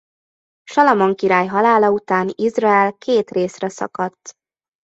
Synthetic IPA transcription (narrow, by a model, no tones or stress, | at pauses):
ʃɒlɒmoŋkiɾaːjɦɒlaːlɒut̪aːnizraɛlkeːt̪reːsrɛsɒ̰kɒt̪ː